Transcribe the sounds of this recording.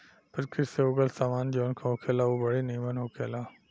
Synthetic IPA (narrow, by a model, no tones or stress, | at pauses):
pəɾkʰɪɾseoːɡəlsaːmaːnd͡ʑeːʊnkʰãːɦokʰelauːbɐɽeniːmənɦoːkʰelaː